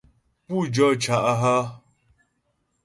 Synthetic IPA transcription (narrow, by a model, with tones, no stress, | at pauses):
pu˦˨d͡ʒɔ˦˨t͡ʃa˨ʔa˦ɦa˦